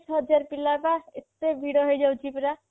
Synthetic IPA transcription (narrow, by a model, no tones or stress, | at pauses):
sʰɦʌd͡ʒaɾpilːabaet̪ːebʱiɽɔɦojd͡ʒawt͡ʃʰipɾa